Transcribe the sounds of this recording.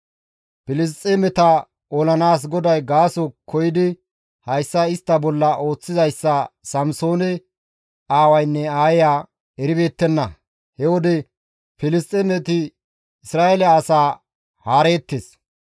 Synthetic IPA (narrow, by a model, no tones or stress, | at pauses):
pɪlɪs̬t̪ʼːɛmɛt̪ɐ | ɔlɐnaːs̬ɡɔd̪ɐjɡaːsɔkʰːɔjɪd̪ɪ | hɐjsːɐɪst̪ːɐbɔlːɐʔo̞ːt͡sːɪzɐjsːɐsɐmso̞ːnɛ | aːwɐjnːɛaːjɪjaː | ɛɾɪbeːt̪ːɛnːɐ | hɛwɔd̪ɛ | fɪlɪst̪ʼɛmɛt̪ɪ | ɪsɾaːʔɛlɐːsaː | haːɾe̞ːt̪ːeːs